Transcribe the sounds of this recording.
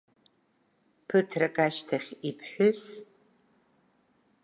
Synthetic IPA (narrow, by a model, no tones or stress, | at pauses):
pʰɨtʰrɐkʼaʃtʰaχʲipʰħʷʊs